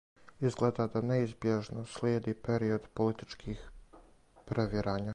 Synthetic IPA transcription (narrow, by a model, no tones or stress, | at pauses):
izɡleːd̪ad̪aneizbjeʒnoslʲjeːd̪ipeɾiod̪polit̪i̥t͡ʃkʰiːx | pɾeʋiɾaːɲa